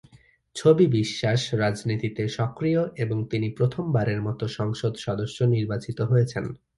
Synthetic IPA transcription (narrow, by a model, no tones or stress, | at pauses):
t͡ɕʰobibiʃːaʃɾad͡ʑnit̪it̪eʃɔkɾijoʔeboŋt̪inipɾot̪ʰombaɾeɾmɔt̪oʃɔŋʃod̪ʃɔd̪oʃːoniɾbat͡ɕit̪oɦojet͡ɕʰen